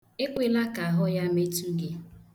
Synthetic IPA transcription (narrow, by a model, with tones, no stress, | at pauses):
e˦kʷe˨la˦ka˨a˨ɦʊ˦ja˦me˦tu˦ɡe˦